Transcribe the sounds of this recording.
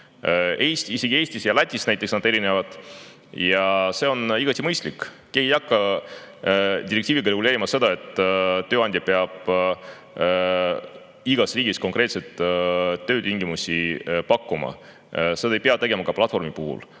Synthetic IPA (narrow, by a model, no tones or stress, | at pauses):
eːst̪iseɡie̞ːsʲt̪isjɑlæt̪ʲːˑisnæjt̪ːˑeksnɑd̪e̞ɾinevɑd̪̥ | jɑse̞o̞niɡ̥ɑt̪ʲːˑimɤjst̪likː | kehejɑkːˑɑ | d̪̥ʲiɾekt̪iːviɡ̥ɑɾe̞ɡuleːɾimɑse̞d̪ɑe̞t̪ˑːøːɑnd̪̥ʲjɑpeɑb̥ | iɡ̥ɑsriːɡisko̞ŋkɾe̞ːt̪se̞t̪ːˑtːø̞ːt̪iŋɡimusipɑkːumɑ̰ | se̞d̪ɑejpeɑt̪e̞ɡe̞mɑkɑplɑt̪fo̞rmipuɦṵl